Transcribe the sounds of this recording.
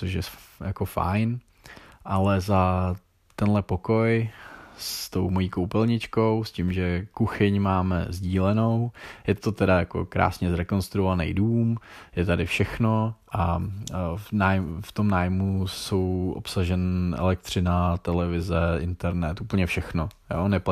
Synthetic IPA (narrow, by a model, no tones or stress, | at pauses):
t͡soʃjɛjako̞fa̰jn | ʔalɛza | t̪ɛnlɛpoko̞jst̪o̞wmo̞jiːkowpɛlɲɪt͡ʃkowscɪmʒɛkuxɪɲmaːmɛ̰zɟiːlɛno̞wjɛt̪o̞t̪ɛdajako̞̰kɾa̰ːsɲɛzɾɛko̞nst̪ɾuovanɛ̰jduːmjɛt̪adɪfʃɛxno̞ʔa | naːjft̪o̞mnaːjmuso̞wʔo̰psaʒɛnɛ̰lɛk̚t̪r̝̥ɪnat̪ɛlɛvɪzɛʔɪ̰nt̪ɛɾnɛt̪uːpl̩ɲɛfʃɛxno̞jo̰ːnɛpa